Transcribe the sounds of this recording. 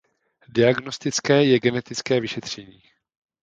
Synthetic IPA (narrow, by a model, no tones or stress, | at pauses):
dɪaɡnost̪ɪt͡skɛːjɛɡɛnɛt̪ɪt͡skɛːvɪʃɛt̪r̝̥ɛɲiː